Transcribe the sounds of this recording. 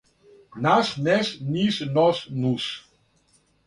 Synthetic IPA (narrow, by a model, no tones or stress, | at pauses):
nasnɛsnisnɔsnus